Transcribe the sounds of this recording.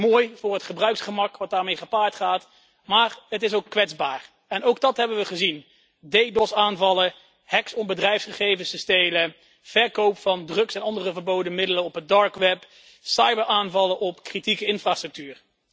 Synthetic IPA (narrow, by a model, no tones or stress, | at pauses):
moːjv̥ʊːrɦətχəbrœɥksχəmɑkʋɑt̚daːɹmejχəpaːɹtχaːt | maːɹɦətɪsowkːʋɛdzbaːɹ | ɛnowɡ̚dɑtɦɛbənʋəχəzin | dejdɔsaːnvɑlə | hɛksɔnbədrɛjfsχəχejvənsəstejlə | v̥ɛɹkowpfɑndrɵksɛnɑndərəvəɹbowdəmɪdələnɔpədɑɹkʋɛp | sɑjbəɹʔaːnvɑləʔɔpkritikəɪnfraːstrɵk̚tyːɹ